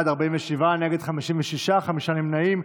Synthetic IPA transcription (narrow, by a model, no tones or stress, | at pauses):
d̪aʁbaimveʃivaneɡed̪χamiʃimveʃiʃaχamiʃanimnaim